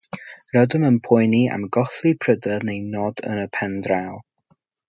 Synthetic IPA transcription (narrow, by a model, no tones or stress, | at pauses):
rɔdəmənpʰʊjnia̰mɡɔθlipʰrədənejnɔdə̰nəpʰɛndralˠ